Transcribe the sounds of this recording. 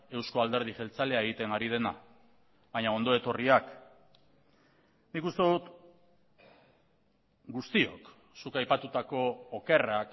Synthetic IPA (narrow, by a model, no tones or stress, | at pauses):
e̞wsko̞ald̪e̞ɾð̞iʝe̞lt͡sale̞ae̞ɣ̞it̪e̞ŋɡaɾið̞e̞na̰ | βaɲao̞nd̪o̞e̞t̪o̞riak | nikust̪e̞ðut̪ | ɡust̪io̞̰k | sukajpat̪ut̪ako̞ːke̞rak